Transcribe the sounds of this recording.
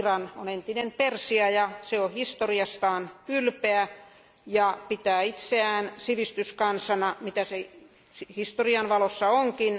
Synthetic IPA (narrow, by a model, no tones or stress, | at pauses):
rɑnonent̪inempersiɑjɑseohist̪oriɑst̪ɑːnkylpeæ | jɑpit̪æːit̪seæːnsiʋist̪yskɑnsɑnɑmit̪æse | sihist̪oriɑnʋɑlosːɑoŋkin